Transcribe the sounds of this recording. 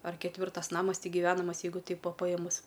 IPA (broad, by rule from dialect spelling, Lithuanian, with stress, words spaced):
ɐr kʲɛtʲˈʋʲɪrtɐs ˈnɑːmɐs ˈtʲɪk ɡʲɪˈʋʲæːnɐmɐs ˈjɛɪɡʊ ˈtʲɛɪp ˈʋɐ pɐˈjeːmʊs